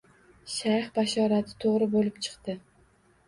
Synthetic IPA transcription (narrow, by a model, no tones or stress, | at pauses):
ʃajχbaʃɒɾat̪ʰɪ̥t̪ʰoʁɾɪbolɪp̚t͡ʃʰɨ̥qt̪ɪ